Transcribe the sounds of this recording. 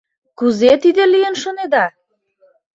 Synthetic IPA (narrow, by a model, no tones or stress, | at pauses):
kuzet̪id̪elijənʃoned̪ɑ